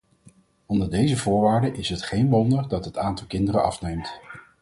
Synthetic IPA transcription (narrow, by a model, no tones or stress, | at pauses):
ɔndəɹdejzəvʊːɹʋaːɹdəʔɪsɦətχejnʋɔndəɹdɑtɦətaːntɑlˠkɪndəɾəʔɑ̰fnejmt